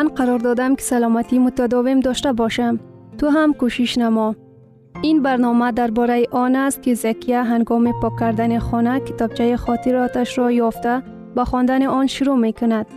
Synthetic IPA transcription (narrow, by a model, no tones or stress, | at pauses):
manqʰaɾɔɾd̪ɔd̪amki̥salɔmat̪imʊt̪ad̪ɔvimd̪ɔʃt̪abɔʃam | t̪uɦamkoʃiʃnamɔ | inbaɾnɔmad̪aɾbɔɾajiʔɔnast̪̚kizakʰijaɦaŋɡɔmipɒkʰːaɾd̪aniχɔnakɪ̥t̪ɒb̚t͡ʃʰajiχɔt̪iɾɔt̪aʃɾɔjɔft̪a | baχɔnd̪aniʔɔnʃʊɾumekʊnad̪̥